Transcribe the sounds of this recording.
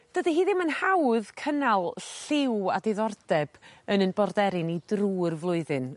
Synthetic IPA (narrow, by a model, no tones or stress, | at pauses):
d̥ədiɦiːðɪmənhawðkʰənalˠɬɪwadeðɔrdɛb̥ənənbɔrdɛɾɪnidruːrvlˠʊɨðɨn